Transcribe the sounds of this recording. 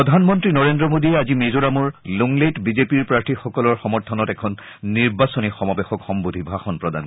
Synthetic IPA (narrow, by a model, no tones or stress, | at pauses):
ɔd̪ʱanmɔntɹinɔɹendɹɔmodiɛazimezoɹamuɹluŋletbizepiɹpɹaɹtʰixɔkɔlɔɹxɔmɔɹt̪ʰɔnɔtɛkʰɔnː | iɹbasɔnixɔmɔbexɔkxɔmbod̪ʱibʱaxɔnpɹɔd̪a̰n